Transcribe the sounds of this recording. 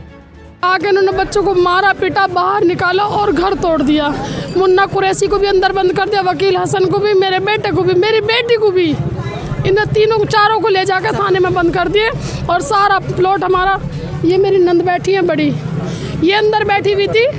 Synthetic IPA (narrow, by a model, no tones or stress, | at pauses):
aːkeɪnoːnebətːʃõkomaːɾapiːʈabaːɦəɾnɪkaːlaʔɔːɾɡʱəɾt̪oːɽd̪ɪjaːmʊnːakʊɾeːsikobʱiɐ̃nd̪əɾbə̃nd̪̚kəɾd̪ijaʋəkiːlɦəsənkobʱimeːɾebeːʈekobʱimeːɾibeːʈikobʱi | ɪnẽt̪iːnõkt͡ʃaːɾõkoleːd͡ʒaːket̪ʰaːnemẽbə̃nd̪̚kəɾd̪iẽ | ɔːɾsaːɾaploːʈɦɐmaːɾa | jemeːɾinə̃nd̪bɛːʈʰiɛ̃bəɽi | jeə̃nd̪əɾbɛːʈʰiʋiːt̪i